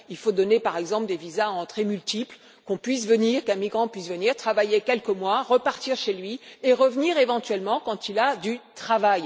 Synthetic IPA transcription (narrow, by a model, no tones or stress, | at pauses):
ilfod̪ɔnepaʁɛɡzɑ̃pld̪evizaɑ̃t̪χɛmylt̪ipl | kɔ̃pɥisvəniʁkɛ̃miɡʁɑ̃pɥisvəniʁt̪χavajekʲɛlkəmwaʁəpaʁt̪iʁʃelɥieʁəvəniʁevɑ̃t̪ɥɛlmɑ̃kɑ̃t̪ilad̪yt̪χavaj